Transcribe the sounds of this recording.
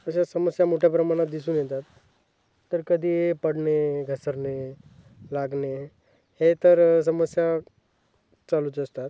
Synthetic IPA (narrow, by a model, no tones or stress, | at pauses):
əɕ̬asəməsjamoʈʰjapɾəmaɽ̃at̪̚d̪isuːnjɛt̪at̪ː | əɾkəd̪ʱiːepəɽɳeɡʱəsəɾne | laɡne | het̪əɾs̬əməsja | t͡saluːt͡səst̪at̪